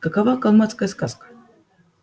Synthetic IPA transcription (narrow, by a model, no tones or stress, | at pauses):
kakavakalˠmat̪skajəskazkə̥